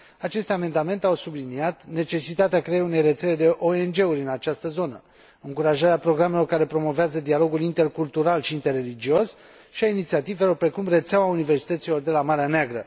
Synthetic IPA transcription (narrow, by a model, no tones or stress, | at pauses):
at͡ʃe̞st̪ʲame̞nd̪ame̞nt̪eawsubliniat̪ne̞t͡ʃe̞sit̪at̪eakɾeeune̞jre̞t̪se̞le̞d̪e̞ʔo̞e̞nd͡ʒe̞uɾʲɨnat͡ʃast̪əzo̞nə | ɨŋkuɾaʒaɾeapɾo̞ɡɾamelo̞rkaɾe̞pɾo̞mo̞veazəd̪ialo̞ɡulint̪e̞rkult̪uɾalʃiːnt̪e̞rːe̞lid͡ʒio̞s | ʃiainit̪siat̪ive̞lo̞rpɾe̞kumre̞t̪seawaunive̞rsi̥t̪ət̪silo̞rd̪e̞lamaɾeaneaɡɾə